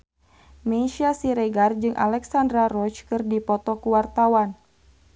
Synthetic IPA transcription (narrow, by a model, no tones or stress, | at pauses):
mɛʃiasiɾɛɡard͡ʒɨŋʔa̰lɛksandɾarɔt͡ʃkɨrdipɔt̪ɔkuwart̪awan